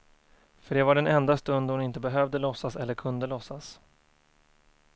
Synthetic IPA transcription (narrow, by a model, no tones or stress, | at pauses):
fœɖɛvaɖɛnɛnd̪ast̪ɵnd̪hʊnɪnt̪əbɛɦœvd̪əlɔsːasɛlːəɾkʰɵnd̪əlɔsːas